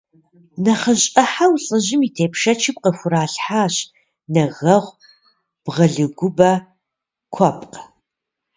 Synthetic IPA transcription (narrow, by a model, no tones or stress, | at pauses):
nɐχɐɕʼɐħawɬʼɨʑɪmitʰeːpʰʂɐt͡ʃʰɪp̚qəfʷʊɾaːɬħaːɕ | nɐɣɐʁʷ | b̥ʁɐɮɨɡʷʊbɐ | kʷʰɔpʼqʼ